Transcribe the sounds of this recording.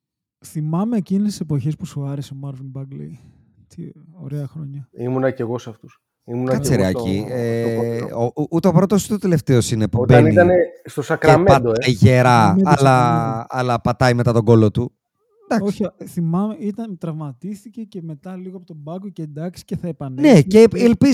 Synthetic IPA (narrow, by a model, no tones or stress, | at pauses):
θimɐmeːcinest̪i̥sepo̞çespusuɐɾeseomɐɾvinbɐɡlḛj | t̪io̰ɾeɐxɾo̞ɲɐimunɐceɣo̞sɐft̪us | imunɐkɐseɾɐcieout̪eo̞pɾot̪osu̥t̪ot̪ele̞ft̪eo̞sinepuobeɐniit̪ɐnest̪o̞sɐkɾɐmeɐd̪oeʝe̞ɾɐːlɐɐlɐpɐt̪ɐimet̪ɐt̪o̞ɡo̞lo̞t̪u | nd̪ɐkosθimɐmeit̪ɐnt̪ɾɐvmɐt̪ist̪icece̞me̞t̪ɐliɣoɐpot̪obɐɡocend̪ɐksi̥ceθɐepɐnneceelpiz